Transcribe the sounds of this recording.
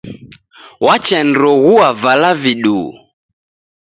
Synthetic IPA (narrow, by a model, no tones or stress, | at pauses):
wat͡ʃɛnɾɔɣuavalaviɗu